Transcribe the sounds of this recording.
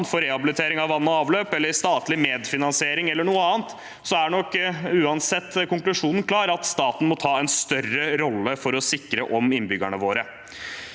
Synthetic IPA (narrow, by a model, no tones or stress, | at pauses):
nfɔɾɛɑbɪlɪt̪ʰeːɾɪŋɑʋɑnːɔɑːʋløːpɛlːəɾst̪ɑːt̪lɪmeːd̪fɪnɑnsɪeːɾɪŋɛlːəɳuːəɑːnt̪ | sɔæɳɔkːʉːɑnsɛt̪ːkʊŋklʉʂuːnn̩kʰlɑːɾɑt̪st̪ɑːt̪n̩mɔt̪ʰɑːɛnst̪œrəɾɔlːəfɔɾɔsɪkɾəʔɔmɪnbʏɡæɳəʋoːɾə